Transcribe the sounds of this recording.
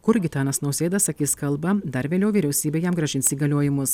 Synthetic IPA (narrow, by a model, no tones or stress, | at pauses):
kʊɾɡʲɪt̪ɑːnɐsnɔʊsʲeːd̪ɐsɐkʲiːskɐlˠbɐd̪ɐɾʋʲeːlʲɛʊʋʲiːɾʲɛʊsʲiːbʲeːjɛmɡɾɐʒʲɪnʲsʲiːɡɐlʲoːjɪmʊs